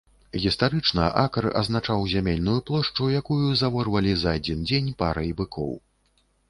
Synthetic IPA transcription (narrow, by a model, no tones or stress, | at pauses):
ɣʲist̪aɾɨt͡ʂnɐʔakɐrɐ̰znat͡ʂawzʲamʲelʲnujuplˠɔʂt͡ʂujakujuzavɔrvɐlʲizɐad͡zʲind͡zʲenʲpa̰ɾɐjbɨkʰɔ̰w